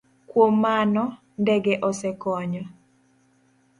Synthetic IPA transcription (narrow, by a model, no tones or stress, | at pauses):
kwomanɔ | ndɛɡɛʔɔsɛkɔɲɔ